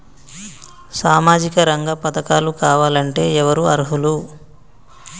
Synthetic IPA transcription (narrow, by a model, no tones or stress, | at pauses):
saːmaːd͡ʒikɐɾɐŋɡɐpɐt̪ɐkaːlukaːʋaːlɐɳʈe̞ːɛʋɐɾuɐɾɦulu